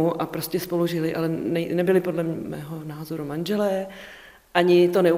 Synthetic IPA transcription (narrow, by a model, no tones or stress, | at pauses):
uʔapɾo̞scʲɛspo̞luʒɪlɪʔalɛnɛnɛbɪlɪpo̞dlɛmmɛ̰ːɦonaːzo̞ɾumanʒɛlɛː | ʔaɲɪt̪o̞nɛu